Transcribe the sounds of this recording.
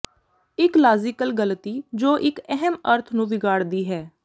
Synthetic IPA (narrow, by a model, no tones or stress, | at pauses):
ɪklaːzɪkəlɡəlt̪iːd͡ʒoːʔɪkɛɦəməɾt̪ʰnũːʋɪɡaːɽd̪iːɦɛː